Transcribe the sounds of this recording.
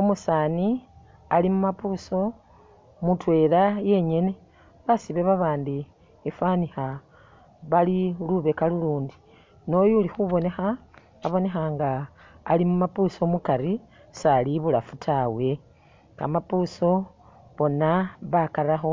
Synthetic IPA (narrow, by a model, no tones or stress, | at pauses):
omusaːni | alimumapuːso̞ | mutwe̞ɾaje̞ɲe̞ne̞ | βasiβeβaβaːndi | efanixa | βaliluβe̞kaluluːndi̥ | no̞julixuβo̞ne̞xaː | βo̞ne̞xaːŋɡaː | limumapuso̞mukaɾi | saliβulafutʰawe̞ | ka̰mapuso̞ | βo̞naβakaɾaxo̞